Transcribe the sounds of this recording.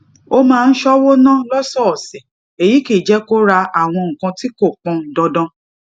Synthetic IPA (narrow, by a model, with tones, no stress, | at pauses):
o˦mãː˦˧n̩˦ʃɔ˦wo˦nã˦lɔ˦sɔ˦˨sɛ˨ | e˨ji˨˦ke˦˨d͡ʒɛ˨˦ko˦ɾa˧a˦˨w̃ɔ̃˧ŋ̩˨kã˧ti˦ko˦˨k͡pɔ̃˧˨dɔ˧dɔ̃˦